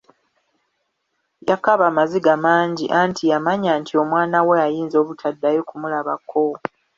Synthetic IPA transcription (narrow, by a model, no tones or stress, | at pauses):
jakaβaːmaziɡamaːɲɟiʔaːntʰijamaɲaːntʰio̞mwaːnaweajiːnzo̞ːβutʰadːajo̞kumulaβakʰːo